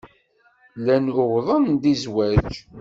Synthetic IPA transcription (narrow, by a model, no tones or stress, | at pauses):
lænʊʁðˤənd̪izwæd͡ʒ